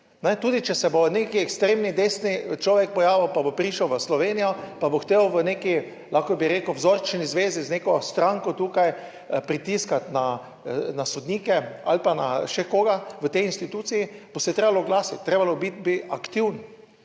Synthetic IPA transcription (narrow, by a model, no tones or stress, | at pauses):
nɛt̪uːd̪it͡ʃɛsɛbonekiɛkst̪ɾeːmnid̪eːsnit͡ʃlɔːʋɛk̚pɔjaːʋiwpabopɾiʃəwʋəslɔʋeːnijɔpaboxt̪eːwʋəneːki | laxkɔbiɾeːkuwzoɾt͡ʃnizʋeːzizneːkɔst̪ɾãŋkɔt̪uːkaj | pɾit̪iskat̪na | nasɔd̪niːkɛa̰lpana̰ʃɛkoːɡaʋət̪ɛjinst̪it̪uːt̪sijibosɛt̪ɾeːbalɔɡlaːsit̪̚t̪ːɾeːbalɔbit̪̚biakt̪iwn